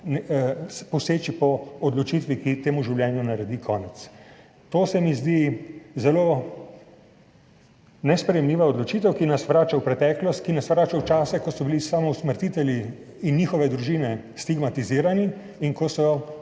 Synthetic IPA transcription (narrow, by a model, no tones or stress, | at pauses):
nspɔseːt͡ʃipɔːd̪lɔt͡ʃit̪ʋikit̪eːmuʒiwljɛːnjunaɾɛd̪ikʰɔːnɛt̪s | t̪oːsɛmizd̪izɛloː | nɛspɾɛjɛmliːʋaɔd̪lɔt͡ʃiːt̪ɛwkinasʋɾaːt͡ʃawpɾɛt̪ɛːklɔst̪kinasʋɾaːt͡ʃawt͡ʃaːsɛkɔsɔbilisaːmɔwsməɾt̪it̪ɛljiː | nːixɔʋɛd̪ɾuʒiːnɛ | st̪iɡmat̪iziːɾaniː | ŋkɔsɔ